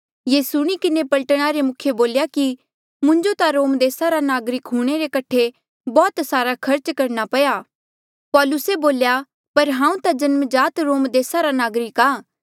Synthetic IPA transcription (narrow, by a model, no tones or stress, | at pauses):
jeːsʊɽ̃ikɪnepɐlʈɽ̃aɾemʊkʰjeboːljaki | mʊ̃ɲd͡ʒot̪aɾoːmd̪eːsaɾanaːɡɾɪkɦuːɽ̃eɾekɐʈʰe | bɔːt̪saːɾakʰɐɾt͡ʃkɐɾnapɐjaː | pɔːlʊseboːlja | pɐɾɦãːũt̪ad͡ʒɐnməd͡ʒaːt̪ɾoːmd̪eːsaɾanaːɡɾɪkaː